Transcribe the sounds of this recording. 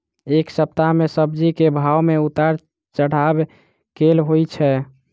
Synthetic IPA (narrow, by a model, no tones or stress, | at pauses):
eksəp̚t̪amesəb̚d͡ʒikebʱawmeut̪aɾ | t͡ʃəɽ̤ab | kelɦojt͡ʃʰɛ